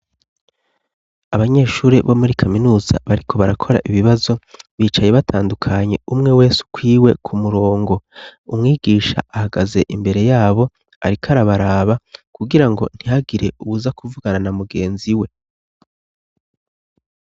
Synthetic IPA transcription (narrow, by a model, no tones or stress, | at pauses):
aβaɲe̞ːʃuːɾeβo̞muɾikʰaminuːz̥a̰βaɾikʰo̞βaɾakʰo̞ɾa̰ʔiβiβazo̞βiːt͡ʃaje̞βatʰaːndukʰaɲe̞umŋe̞we̞ːsu̥kwiːwe̞kʰumuɾo̞ːŋɡo̞umŋiːɡ̥iːʃa̰ahaɡaze̞ʔimbe̞ɾe̞jaːβo̞ | a̰ɾikʰaɾaβaɾaːβakuɡiɾaŋɡo̞̰n̥hihaɡiɾe̞uβuzakuvuɡaɾanamuɡe̞ːnziwe̞